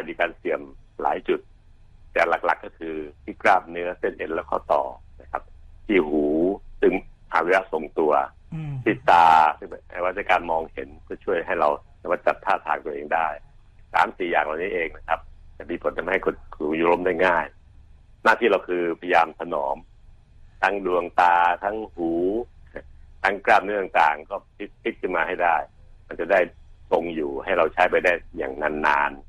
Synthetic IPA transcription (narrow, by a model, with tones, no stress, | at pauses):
a˧˩diː˧kaː˧nsi˨˩əmla̰ː˩˦jt͡ɕu˨˩t̪̚ | t̪ɛ˨˩la˨˩k̚la̰˨˩kːɔː˥˩kʰɯː˧t̪ʰiː˥˩kɾaː˥˩p̚nɯ˦˥ɐse˥˩nʔe˧˩nlɛː˦˥wkʰɔ̰ː˥˩t̪ɔ̰ː˨˩ | na˦˥kʰa˦˥p̚t̪ʰiː˥˩huː˩˦sɯ˥˩ŋʔaː˨˩we˧˥la˦˧˥so˨˩ŋt̪u˧ɐ | t̪ʰiː˥˩t̪aː˧sɯ˥˩ŋ˩ʔa̰˧˩wa˦˥t̪̚sa˧kaː˧nmɔː˧ŋhe˨˩˦npʰɯ˥˩ɐt͡ɕʰu˥˩əjɦa˥˩jɾa˧w | a˥˩maː˧˩t͡ɕa˨˩p̚t̪ʰːaː˥˩t̪ʰaː˨˦ŋt̪u˧ɐʔeː˧ŋdaː˥˩j | sa̰ː˨˦msiː˨˩jaː˨˩ŋla˨˩wniː˦˥ʔeː˧ŋna˦˥˩kʰa˦˥p̚t͡ɕɛ˨˩miː˧pʰo˨˩˦ntʰa˧˩ha˥˩jkʰo˧nksuː˨˩˦ŋjuː˨˦lo˧˨mdaː˥˩jŋaː˥˩j | naː˥˩t̪ʰiː˥˩ɾa˧wkʰɯː˧pʰa˧ja˧jaː˧mt̪ʰa˧nɔː˩˦m | t̪ʰa˦˥ŋdu˧əŋt̪aː˧t̪ʰa˦˥ŋhuː˩˦ | t̪ʰa˦˥ŋkɾaː˥˩p̚nɯ˦˥˩t̪ŋt̪aː˨˩ŋkɔː˥˩pʰi˦˥t̪̚pʰi˦˥t̪̚kʰɯ˥˩maː˧ha˥˩jdaː˥˩jma˧nt͡ɕa˨˩daː˥˩jt̪o˧ŋjuː˨˩ha˥˩jɾa˧wt͡ɕʰaː˦˥jp̬a˧jda˥˩jja̰ː˨˩ŋna˧nːa̰ː˧n